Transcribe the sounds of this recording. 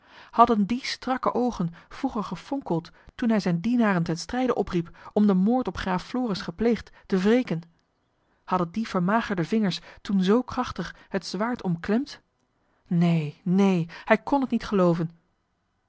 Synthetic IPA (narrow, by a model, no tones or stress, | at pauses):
hɑdəndistrɑkəʔowχənv̥ruχəɹχəfɔŋkəlˠttunɦɛjzɛjndinaːrəntɛnstrɛjdəʔɔpripʔɔmdəmoːɹtɔpχraːfloːrɪsχəplejχttəvrejkən | hɑdəndiv̥əɹmaːχəɹdəvɪŋəɹstunzowkrɑχtəχ | ɦətz̥ʋaːɹtʰɔmklɛmt | nejnejhɛjkɔnɦətnitχəlowvən